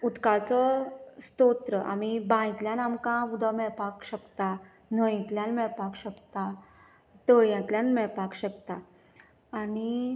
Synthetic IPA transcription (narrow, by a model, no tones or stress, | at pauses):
ut̪kat͡sɔst̪ot̪ɾəʔa̰mibãjt̪ljanamkãbud̪ʱɔmɛɭpakɕəkt̪a | n̤ə̃jit̪ljanmɛɭpakɕəkt̪a | t̪əɭjãt̪ljanmɛɭpakɕəkt̪aː | ni